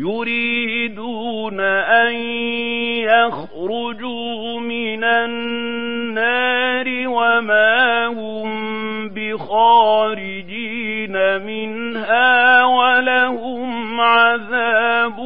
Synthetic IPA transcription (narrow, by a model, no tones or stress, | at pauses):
jʊɾiːd̪uːnaʔan | jax | ɾʊd͡ʒuː | mɪna | aːɾɪwamaːhʊm | bɪxɑːɾɪd͡ʒiːnamɪnhaːwalahʊmʕaðaːb